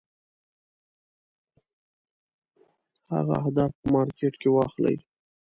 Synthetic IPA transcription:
ha̰ɣa̰ahd̪ɑfpəmɑɾkeʈkewɑxla̰j

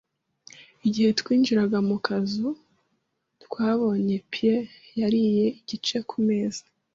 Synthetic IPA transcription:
iɟihe̞tkwiːnd͡ʒiɾaɡamukʰazu | tkwaːβo̞ːɲe̞pʰijejaɾije̞iɟ̥it͡ʃe̞kʰume̞ːz̥ḁ

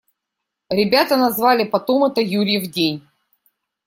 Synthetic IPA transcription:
ɾʲɪbʲat̪ənɐzvalʲɪpɐt̪o̞mɛt̪əjuɾʲɪjɪvdʲenʲ

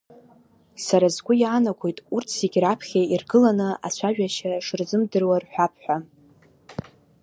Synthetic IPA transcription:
saɾazɡʷʊjaːnakʷʰo̞jtʼurt͡sʰiɡʲrapʰχʲairɡɨlanɨa̰t͡ɕʷʰaʒᶣaʃaʂɨrzɨmdɨrwarħʷᶣapʰħʷᶣa

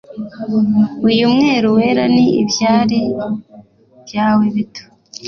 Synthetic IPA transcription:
ujumŋe̞ːɾuwe̞ːɾaniḭbjaːɾe | bjaːweβitʰo̥

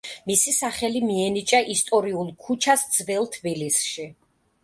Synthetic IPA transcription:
misisaχɛlimiɛnit͡ʃʼaʔist̪ʼɔɾiulˠkʰut͡ʃʰasd̪z̥vɛlˠt̪ʰbilisʃi

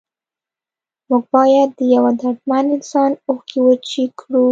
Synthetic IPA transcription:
muɡ̚bɑjad̪ːəjawad̪aʈmanɪnsɑnoxkiwət͡ʃekʰɽu

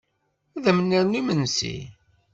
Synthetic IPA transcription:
æðəmənːiɾnimənsḭ

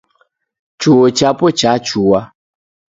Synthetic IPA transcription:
t͡ʃuwot͡ʃapɔt͡ʃat͡ʃuwa

